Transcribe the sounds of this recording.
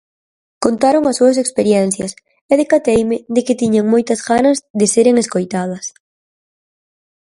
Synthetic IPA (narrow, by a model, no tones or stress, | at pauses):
kont̪aɾoŋɐsːuɐsekspeɾjɛn̟θjɐs | eðekat̪ejmɪðɪkɪt̪iɲaŋmojt̪ɐzɣanɐzðɪseɾeŋeskojt̪að̞ɐs